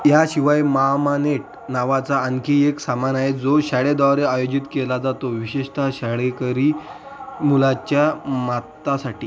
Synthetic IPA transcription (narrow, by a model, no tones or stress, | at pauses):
jaɕiʋajmaɦamaneʈ̚ | naʋat͡saəŋkieksamanaɦed͡zoɕaɭed̪aɾeajod͡ʑit̪kelad͡zat̪oʋiɕeʂʈ̪aɕaɽekəɾiː | mulat͡ɕjamat̪ːasaʈiː